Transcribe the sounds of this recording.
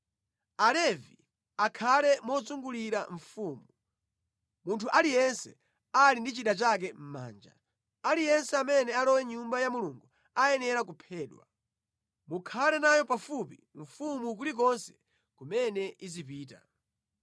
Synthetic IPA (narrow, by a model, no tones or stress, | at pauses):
alɛvi | akʰalɛmɔzuŋɡuliɾaɱ̩fuːmu | muntʰuʔalijɛnsɛ | alindit͡ʃiɗat͡ʃak̬ɛm̩ma̰ːnd͡ʒa̰ | alijɛnsɛamɛnɛalɔwɛɲumbajamuluŋɡu | ajɛnɛɾak̬upʰɛːɗwa̰ | mukʰalɛnajɔpafupḭ | ɱ̩fumuk̬ulik̬ɔnsɛ̥ | kumɛnɛizipiːta̰